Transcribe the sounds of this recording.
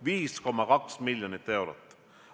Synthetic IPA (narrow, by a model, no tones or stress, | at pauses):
viːsko̞mːɑkɑksmilʲjonit̪ːe̞wɾot̪ːˑ